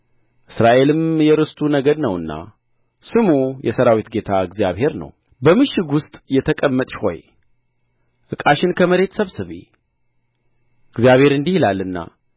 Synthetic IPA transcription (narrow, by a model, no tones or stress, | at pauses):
ʔɨsɾaʔe̞lɨmjɛɾɨst̪ʼunəɡəd̪nəwɨnːa̰ | sɨmujɛsəɾawit̪ɡe̞t̪ʰaɨɡzijaβhe̞ɾnə̰w | bəmɨʃɪɡʊst̪ʼjɛt̪ʰəkʼəmːət̪ʼʃho̞̰j | ʔɨkʼaʃɪnkʰəməɾe̞t̪səβsɨβḛ | ɨɡzjaβhe̞ɾɨnd̪ihilalːɨnːa̰